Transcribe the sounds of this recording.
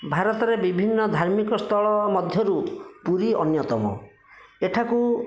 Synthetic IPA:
bʱaɾɔt̪ɔɾebibʱinːɔd̪ʱaɾmikɔst̪ʰɔɭɔmɔd̪ʱjɔɾupuɾiɔnjɔt̪ɔmɔ̰ | eʈʰaku

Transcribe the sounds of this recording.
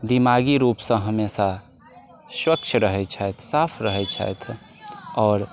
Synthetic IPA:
d̪imaɡiɾuːpsə̃ɦəmesa | swəkt͡ʃʰɾəɦɛt͡ʃʰajt̪ʰsapʰɾəɦɛt͡ʃʰa̰jt̪ʰ | ɔːɾ

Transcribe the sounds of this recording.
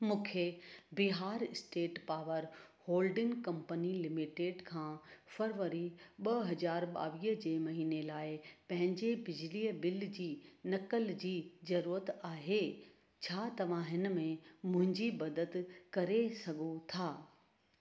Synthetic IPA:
mũːkʰebɪɦaːɾɪsʈeːʈpaːʋəɾhoːlɖɪ̃ŋkɐ̃mpənilɪmɪʈeːɖkʰãːfɐɾʋəɾiɓɐɦɐzaːɾɓa̰ːʋiːɦəd͡ʑeːmɐɦiːnelaːɪpɐ̃ɦɪ̃ɲd͡ʑebɪd͡ʑliːəbɪld͡ʑiːnɐkəld͡ʑiːzɐɾuːɾət̪aːɦeː | t͡ɕʰaːt̪ɐʋ̤ãɦɪnəmẽmʊ̃ɦɪ̃ɲd͡ʑibɐd̪əd̪kɐɾesɐɡʱũt̪ʰaː

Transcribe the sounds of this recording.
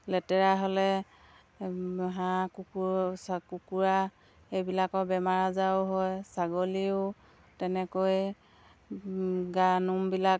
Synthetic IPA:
lɛtɛɹaɦolɛ | ɦãkuk | kukuɹa | ejbilakɔbɛmaɹazawʊɦɔjsaɡoliʊ | tɛnɛkoj | ɡanumbilak̚

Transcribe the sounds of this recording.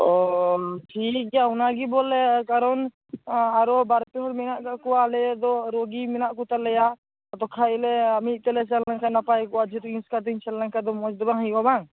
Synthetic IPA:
ɔʈʰik̚ɡjaɦunaɡibɔlɛkaɾɔn | aɾɔbaɾpɛɦɔɽmɛnaʔkakɔalɛd̪ɔɾoɡimɛnaʔkɔt̪alɛja | ɔt̪ɔkʰaɛlɛamit̪̚ˀt̪ɛlɛs̬allaŋkanapajkɔad͡ʒit̪ɔĩskat̪iɲt͡ʃʰallaŋkad̪ɔmɔd͡ʒd̪ɔbaɦĩɡabaŋ

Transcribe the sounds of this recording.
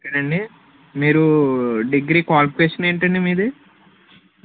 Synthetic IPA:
ɐnɐɳɖi | miːɾuɖiɡɾiːkaːlpkweːsɐneːɳʈɐɳɖimiːd̪e

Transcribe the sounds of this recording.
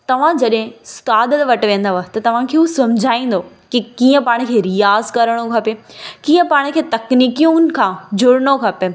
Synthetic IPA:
t̪ɐʋ̤ãd͡ʑɐɗɦɪ̃st̪aːd̪ət̪ʋɐʈʋẽːn̆d̪aʋaɦt̪ɐt̪ɐʋ̤ãkʰeːɦusɐmʊd͡ʑʱaːĩːn̆d̪o | kikiːə̃paːɽ̃̆kʰeːɾijaːzkɐɾəɽ̃okʰɐpekiːə̃paːɽ̃kʰeːt̪ɐkniːkijũnkʰãːd͡ʑʊɽɽ̃okʰɐpe

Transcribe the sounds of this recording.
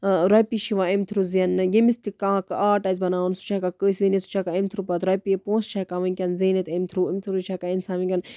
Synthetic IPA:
ɾɐpiʃiʋãːemt̪ʰɾuzijɐnjimist̪ikãːkaːʈɐzbɐnaːnsu̥t͡ʃʰakakəːsʋinesu̥t͡ʃʰakaemt̪ʰɾupɐt̪ɾɐpiepõːst͡ʃʰakaʋɐ̃nkʲɐnzeːnet̪emt̪ʰɾuimt̪ʰuɾut͡ʃʰakainsaːmikʲɐn

